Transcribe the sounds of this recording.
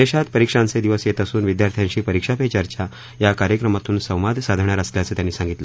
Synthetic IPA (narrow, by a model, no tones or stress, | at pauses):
d̪eɕat̪pəɾikʂãnt͡sed̪iʋəset̪əsuːnʋid̪jaɾt̪ʰjaɲɕiːpəɾikʂapet͡ɕaɾt͡ɕa | jakaɾjəkɾəmat̪uːnsə̃w̃ʋad̪ʱsad̪ʱəɳjaɾəsljat͡səːt̪janːiːsãŋɡit̪lə